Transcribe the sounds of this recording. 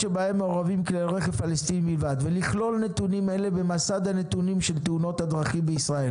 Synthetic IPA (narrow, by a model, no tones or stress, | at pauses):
ʃebahe̞mːeoʁavimklelʁeχefalest̪inibilvad̪veliχlo̞lne̞t̪unime̞le̞bemasad̪hane̞t̪unimʃe̞lt̪euno̞t̪had̪ʁaχimbeisʁael